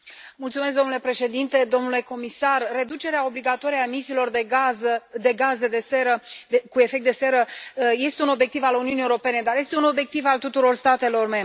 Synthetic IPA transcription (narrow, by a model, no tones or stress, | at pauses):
mult̪sumesk̚d̪omnule̞pɾe̞ʃe̞d̪int̪e̞d̪o̞mnule̞ko̞misarːe̞d̪ut͡ʃe̞ɾeao̞bliɡat̪o̞ɾiae̞misiːlo̞rd̪eɡazəd̪e̞ɡaze̞d̪e̞seɾəekue̞fek̚t̪d̪e̞se̞ɾəje̞st̪e̞uno̞bjek̚t̪ivaluniuniewuɾo̞pe̞ne̞d̪aɾje̞st̪euno̞bje̞k̚t̪ivalt̪ut̪uɾo̞rst̪at̪e̞lo̞rme̞mb